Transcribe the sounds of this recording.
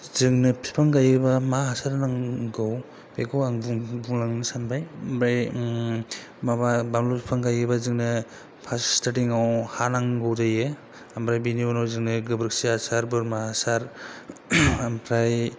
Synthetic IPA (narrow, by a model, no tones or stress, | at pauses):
zɯŋnɯpʰi̥pʰaŋɡajɯbamaɦasaɾnaŋɡɯw | bekʰɔwaŋbuŋbuŋlaŋnɯsanbʰajmpɾaj | mababamlupʰipʰaŋɡajɯbazɯŋnɯ | pʰaststatiŋawhanaŋɡɯwdajɯ | ampʰɾajbiniɔnɔwzɯŋnɯɡɯbɾɯk̚siasaɾbɯɾmaasaɾ | ampʰɾaj